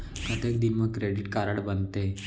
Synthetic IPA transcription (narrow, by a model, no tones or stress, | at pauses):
pɾət̪jek̚d̪inməkɾeɽiʈkaɾəɽbənd̪t̪e